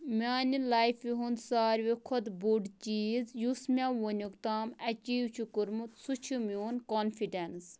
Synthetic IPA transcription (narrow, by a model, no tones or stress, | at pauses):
mʲaːnilaːjfʋiɦund̪saːɾʋikʰod̪buɖt͡ʃiːzjusmʲãːʋonʲukt̪aːmɐt͡ʃiːwt͡ʃʰukuɾmut̪sut͡ʃʰumoːnkoːnfiɖens